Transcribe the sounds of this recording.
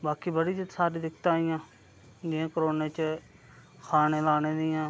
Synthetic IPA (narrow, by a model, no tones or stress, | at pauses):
baːkiːbəɽiːd͡ʒət̪saːɾiːd̪ɪkt̪ãːɪjãː | d͡ʒɪãːkəɾoːneːt͡ʃ | kʰaːneːlaːnẽːd̪ɪjãː